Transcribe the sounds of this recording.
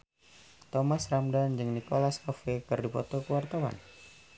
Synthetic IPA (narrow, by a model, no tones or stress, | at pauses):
t̪ɔmasramdand͡ʒɨŋnikolaskofekɨrdipɔ̰t̪ɔkəwart̪awa̰n